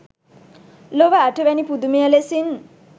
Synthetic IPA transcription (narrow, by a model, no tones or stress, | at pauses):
loʋaːʈʰəʋɛnipud̪umejəlesin